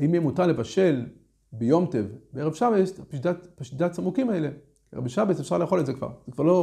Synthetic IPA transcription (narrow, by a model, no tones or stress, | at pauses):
aimjemutalevaʃe̞l | bejo̞mtevbeeevʃabesapʃd̪apaʃt̪id̪asamukimaele | eʁebiʃabesefʃaʁleːχo̞letzekva̰ʁz̥ekvaʁlo